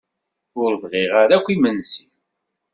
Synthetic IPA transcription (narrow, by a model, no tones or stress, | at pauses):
ʊɾvʁɪʁaɾækʷːimənsi̥n